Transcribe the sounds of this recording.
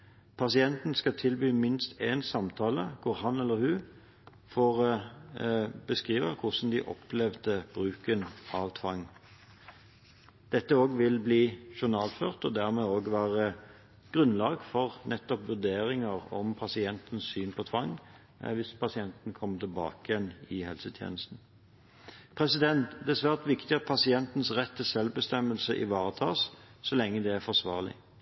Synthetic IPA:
pʰɑsɪɛnt̪n̩skɑt̪ʰɪlbyːmɪnst̪ʰeːnsɑmt̪ʰɑːləkʰʊʁhɑnɛlːəɾhʉː | foːʁ | bəskʁiːʋəʁkʰʊsn̩d̪iːʔɔ̰plɛʋd̪əb̥ʁʉːkənɑʋt̪ʰʋɑŋː | d̪̥ɛt̪ːəoːɡʋɪlbliːʃʊʁnɑːlføːʁt̪ɔ̰d̪æʁmɛoːɡʋæːʁə | ɡ̥ʁʉnlɑːɡfɔʁnɛt̪ːɔpʋʉʁd̪eːʁɪŋəʁɔ̰mpʰɑsɪɛnt̪n̩ssyːnpʰɔt̪ʰʋɑŋː | ʋɪspʰɑsɪɛnt̪n̩kʰɔmːət̪ʰɪlbɑ̰ːkjɛnɪhɛlsət̪ʰjḛːnəst̪n̩ | pʰʁɛsɪd̪ɛnt̪d̪ɛːsʋæːʁt̪ʋɪkt̪ɪɑpʰɑsɪɛnt̪n̩sʁɛt̪ːəsɛlʋbəst̪ɛmːəlsəʔɪ̰ʋɑːʁət̪ʰɑ̰ːssɔlɛŋːəd̪ɛæʁfɔʁsʋɑːʁlɪ̰

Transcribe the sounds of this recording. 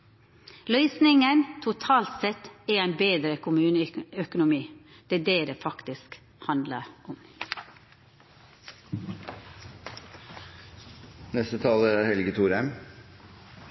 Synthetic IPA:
lœʏsnɪŋənt̪ʰʊt̪ʰɑːlt̪sɛt̪ɛæɪnbeːd̪ɾəkʰʊmʉːnəœkʊnʊmiːd̪̥ɛd̪eːd̪eːfɑkt̪ɪsk | hɑnd̪lə̰ʔʊm | nɛst̪ət̪ʰɑːləæːɾhɛlɡət̪ʰuːɾɛm

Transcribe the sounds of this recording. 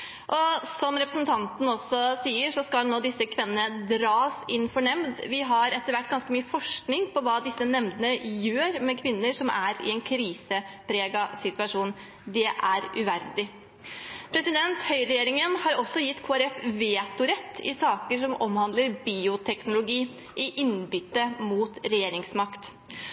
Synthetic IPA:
ʔɔsɔmɾɛpɾəsnt̪ʰɑnt̪n̩ɔsɔsiːəʂɔskɑlnoːd̪ɪsːəkʰʋɪnːənəd̪ɾɑːsɪnːfɔɳɛmd̪ʋɪɦɑɾɛt̪ːəɾʋæʈːɡɑnskəmyːəfɔʂknɪŋpɔʋɑːd̪ɪsːənɛmd̪ənəjøːɾmɛkʰʋɪnːəʂɔmʔæɾɪ̰ɛnkʰɾiːsəpʰɾeːɡɑsɪt̪ʉɑʂuːn | d̪ɛʔæɾʉʋæɾd̪ɪ | pʰɾɛsɪd̪ɛnt̪hœʏɾɛjeːɾɪŋənhɑɾɔsːɔjɪt̪ːkʰoːæɾɛfʋeːt̪ʊɾɛt̪ʰːɪ̰sɑːkəʂɔmʔɔmhɑnd̪ləɾbiːʊt̪ʰɛknʊlʊɡiː | ʔɪʔɪnbʏt̪ːəmuːt̪ɾɛjeːɾɪŋsmɑkt̪

